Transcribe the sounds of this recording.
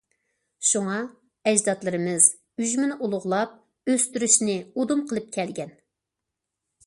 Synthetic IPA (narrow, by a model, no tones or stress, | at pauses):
ʃuŋɑ | ɛd͡ʒzɑt̪lˠɨɾɨmɨz̥ | yʒmɪnɪʔulˠʊʁlˠɑp̚ | øst̪yɾyʃnɪud̪umqʰəlˠɨp̚kʲʰɛlɡʲɛn